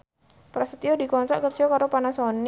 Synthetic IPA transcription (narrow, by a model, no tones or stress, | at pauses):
pɾasət̪iɔdikɔnt̪ɾaʔkərt͡ʃiɔkaɾopanasɔn